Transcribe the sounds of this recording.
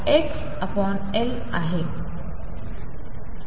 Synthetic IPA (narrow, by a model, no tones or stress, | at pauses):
eks | apɔn | el | aɦe